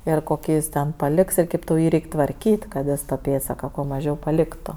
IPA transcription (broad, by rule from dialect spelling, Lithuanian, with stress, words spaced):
ɪr koːˈkʲiː jɪs ˈtʲɛn pɐˈlʲɪks ɪr ˈkʲeːp tɐʊ ˈjiː ˈrʲɛɪkʲ tʋɐrʲˈkʲiːtʲ kɐt ˈjɪs tɐ ˈpʲeːtsɐkɐ kuɔ mɐˈʒʲɛʊ pɐˈlʲɪktʊ